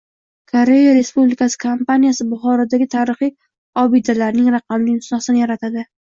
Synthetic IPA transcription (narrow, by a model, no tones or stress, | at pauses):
kʰoɾe̞jaɾe̞spublɪkasɪ̥kʰampanijasɪbʊχɒɾad̪aɡʲɪt̪ʰaɾɪχij | ɒbɪd̪alaɾnɪŋɾɑqʰɑmlɪnʊsnasɪnɪjaɾat̪ʰad̪ɪ